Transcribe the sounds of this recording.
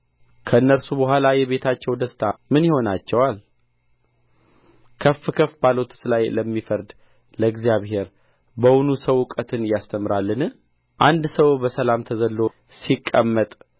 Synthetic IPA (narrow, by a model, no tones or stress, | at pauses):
kʰəɨnːəɾsubəɦʷwʷalajɛβe̞t̪ʰat͡ʃːɛwd̪əst̪ʰamɨnjɪho̞nat͡ʃːɛwal | kʰəfɨkʰəfbalot̪ʰsɨlajləmːifəɾd̪ | ləɡzijaβhe̞ɾ | bəwunusəwʊkʼət̪ʰɨnjast̪ʰəmɨɾalːɨnɨ | ʔand̪səwbəsəlamt̪ʰəzəlːo | sikʼːəmːət̪ʼ